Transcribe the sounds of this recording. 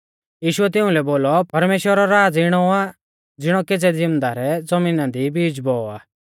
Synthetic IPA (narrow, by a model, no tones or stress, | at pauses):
jiːʃʊɛt̪̬ɪʊ̃lɛboːlɔpɐɾmeːʃwəɾɔɾaːd͡zɪɽ̃ɔa | d͡zɪɽ̃ɔked͡zɛd͡zɪmd̪aɾɛd͡zɐmiːnãd̪ibiːd͡zbɔɔa̰ː